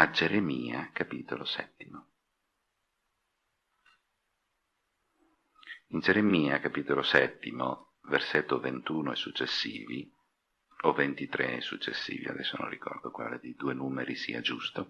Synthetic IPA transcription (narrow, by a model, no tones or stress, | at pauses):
ad͡ʒeɾemiːakapiːt̪olosɛ̰t̪ːimo | ind͡ʒeɾemiːakapiːt̪olosɛt̪ːimo | verset̪ːovent̪uːnoɛsːut͡ʃːesːiːvi | ovent̪it̪ɾeɛsut͡ʃːesːḭːvia̰d̪ɛsːonõ̰nrikɔ̰rd̪okwa̰ːled̪ejd̪uːenuːmeɾisḭːad͡ʒust̪o